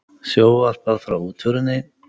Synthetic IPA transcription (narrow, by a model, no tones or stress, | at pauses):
sjoːwal̥paðfɾawuːt̪ʰvʏɾʏnːɪ